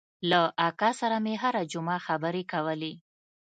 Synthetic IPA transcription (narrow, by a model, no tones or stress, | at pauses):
laʔakɑsaɾameɦaɾad͡ʒʊmaxabəɾekawəle